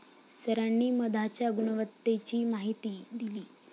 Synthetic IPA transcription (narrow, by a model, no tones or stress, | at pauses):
st̪ʰəɾanːiːməd̪ʱat͡ɕjaɡuɳəʋət̪ːet͡ɕiːmaɦit̪iːd̪iliː